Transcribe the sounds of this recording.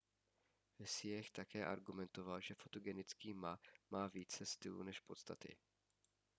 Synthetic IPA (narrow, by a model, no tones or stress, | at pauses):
vɪsɪjɛxt̪akɛːʔa̰ɾɡumɛnt̪o̞valʒɛfo̞t̪oɡɛnɪt͡skiːmamaːviːt͡sɛst̪ɪlṵːnɛʃpo̞t̪st̪at̪ɪ̰